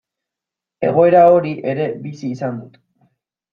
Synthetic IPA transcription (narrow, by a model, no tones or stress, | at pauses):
e̞̰ɣ̞o̞e̞ɾao̞ɾiʔe̞ɾe̞bisiːsand̪ut̪